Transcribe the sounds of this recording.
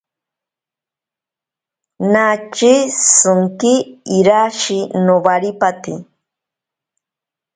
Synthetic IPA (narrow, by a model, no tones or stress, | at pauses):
nat͡ʃisɨŋkiːɾaʃinoβaɾipat̪i